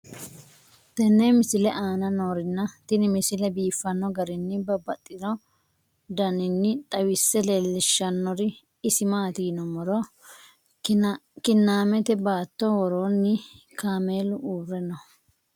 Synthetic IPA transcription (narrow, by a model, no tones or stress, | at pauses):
t̪ɛnːemɪsɪlɛʔaːnɐnoːɾɪnːɐt̪ɪnɪmɪsɪlɛbiːfːɐnːɔɡɐɾɪnːɪbɐbɐt̪ʼːɪnɔ | d̪ɐnɪnːɪt̪ʼɐwɪsːɛleːlːɪʃːɐnːɔɾɪː | sɪmaːt̪iːnɔmɔɾɔ | kɪnːaːmɛt̪ɛbaːt̪ːɔwɔɾoːnːɪ | kaːmeːlʊʔuːrɛnɔ